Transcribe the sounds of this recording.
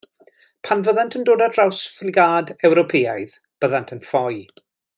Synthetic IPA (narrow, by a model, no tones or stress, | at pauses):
pʰanvəðantʰəndoːdad̥rawsflɪɡaːdɛwɾɔpʰeːajð | b̥əðantʰənfɔj